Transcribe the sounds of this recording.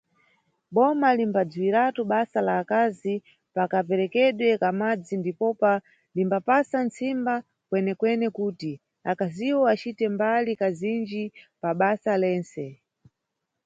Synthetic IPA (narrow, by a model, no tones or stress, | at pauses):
ɓɔmalimbad͡zuiɾatuɓasalaːkazi | pakapɛɾɛkɛɗwɛkamad͡zindipɔpa | limbapasant͡simba | kwɛnɛkwɛnɛkuːti | akaziwɔat͡ʃitɛmbalikazind͡ʒipaɓasalɛːnt͡sɛ